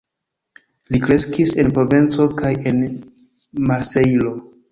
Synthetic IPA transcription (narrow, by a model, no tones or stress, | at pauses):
likɾe̞skise̞npɾo̞vent͡so̞kaje̞n | mase̞jlo̞